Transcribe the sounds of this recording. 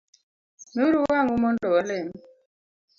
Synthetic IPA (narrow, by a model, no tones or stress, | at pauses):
nuɾuwaŋumɔndɔalem